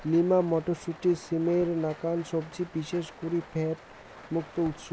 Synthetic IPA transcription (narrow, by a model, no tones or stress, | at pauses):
limamɔʈoɾʃuʈiɾsimeɾnakanʃɔbd͡ʑibiʃeʃkuɾipʰɛʈ | muk̚t̪out̪ʃo